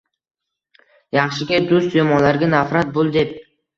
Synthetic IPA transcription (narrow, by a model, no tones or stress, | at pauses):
jɑχʃɪɡʲad̪ʊst̪jomɒlaɾɡʲanafɾat̪̚bolˠd̪e̞p̚